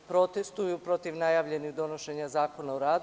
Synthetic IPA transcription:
pɾo̞t̪est̪ujupɾo̞t̪iʋnajaːʋʎe̞niɣd̪o̞no̞ʃe̞ɲazaːko̞naoɾaːd̪

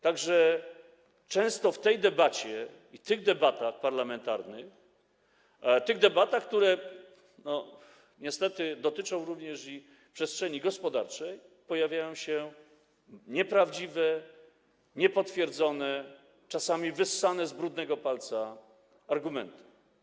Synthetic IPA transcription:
t̪aɡʐɛ | t͡ʂɛ̃w̃st̪ɔft̪ɛjd̪ɛbat͡ɕɛ | it̪ɘɣd̪ɛbat̪axpaɾlamɛnt̪aɾnɘx | t̪ɘɣd̪ɛbat̪axk̚t̪uɾɛ | nɔ | ɲɛst̪ɛt̪ɘd̪ɔt̪ɘt͡ʂɔ̃w̃ɾuvɲɛʂi | pʂɛstʂɛɲiɡɔspɔd̪aɾt͡ʂɛjpɔjavʲjajɔ̃w̃ɕɛ | ɲɛpɾavd͡ʑivɛ | ɲɛpɔt̪fʲjɛɾd̪zɔnɛ | t͡ʂasamʲivɘsːanɛzbɾud̪nɛɡɔpalt̪saː | ɾɡumɛ̰nt̪u̥

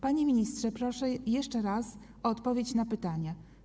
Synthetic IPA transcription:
paɲemʲiɲistʂɛpɾɔʂɛjɛʂt͡ʂɛɾas | ɔɔt̪pɔvʲjet͡ɕnapɘt̪aɲa

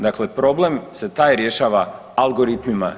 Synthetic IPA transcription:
d̪akle̞pɾo̞blemse̞t̪aːjɾje̞ʃaːʋa | alɡo̞ɾit̪mima̰

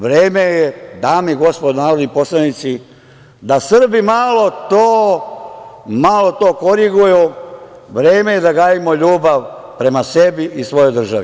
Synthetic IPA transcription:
ʋɾeːmejed̪amiɡo̞spod̪naːɾod̪nipo̞slanit̪si | d̪asr̩bimalo̞t̪oː | malo̞t̪o̞ːko̞ɾiɡuju | ʋɾe̞ːme̞jed̪aɡaːjimo̞ʎuːbaʋ | pɾe̞mase̞biʔisʋo̞jo̞jd̪r̩ʒaʋi

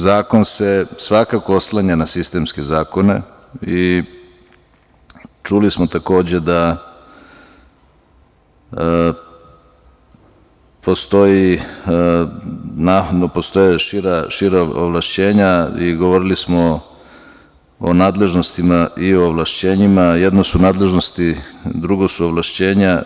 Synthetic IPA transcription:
zaːko̞nse̞sʋakakooslˠaɲanasist̪e̞ːmske̞zaːko̞ne̞̰ | i | t͡ʃulismot̪ako̞ːd͡ʑe̞d̪a | pʰo̞st̪o̞ji | nad̪nopost̪o̞jeʃiɾaʃiɾao̰ʋlˠaʃt͡ɕe̞ːɲaiɡo̞ʋo̞ɾilismo̞ | o̰naːd̪le̞ʒno̞st̪imaʔioʋlˠaʃt͡ɕe̞ːɲimajed̪nosunaːd̪le̞ʒnost̪id̪ɾuɡosuoʋlˠaʃt͡ɕe̞ːɲa

